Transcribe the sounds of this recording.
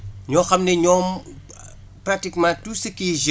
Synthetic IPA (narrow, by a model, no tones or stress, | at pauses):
ɲɔxɐmnɛɲɔːm | prak̚tikmãːtusəkiʒ